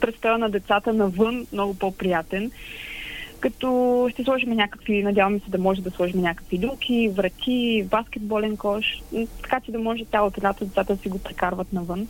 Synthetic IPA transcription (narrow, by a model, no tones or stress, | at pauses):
pɾɛt̪st̪ɔjənɐd̪ɛt̪sat̪ənɐvɤnmnɔɡʊpɔpɾijat̪ɛn | kɐt̪ɔʃt̪ɛslˠɔʒimɛnʲakəkvinɐdʲjavɐmɛsɛd̪ɐmɔʒɛd̪ɐslˠɔʒimɛnʲakə̥kvilʲumkʰʲivɾɐt̪ʲʰibaskʲɛd̪̚bɔlɛnkɔʃt̪ɐ̥kat͡ʃɛd̪ɐmɔʒɛt̪ʲjalˠot̪olʲat̪od̪ɛt̪sat̪əsiɡopɾɛkaɾvət̪nɐvɤn